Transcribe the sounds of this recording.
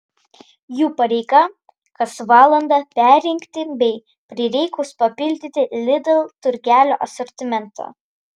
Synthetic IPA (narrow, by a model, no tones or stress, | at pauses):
juːpɐɾʲɛɪkɐ | kɐsʋɑːlˠɐnd̪ɑpʲæˑɾʲɾʲɪŋʲkʲt̪ʲɪbʲɛɪ | pʲɾʲɪɾʲɛɪkʊspɐpʲɪlʲd̪ʲɪt̪ʲɪlʲɪd̪ʲɛlˠt̪ʊɾʲɡʲæːlʲo̰ːʔɐsɔɾʲt̪ʲɪmʲɛnt̪ʰo̰ː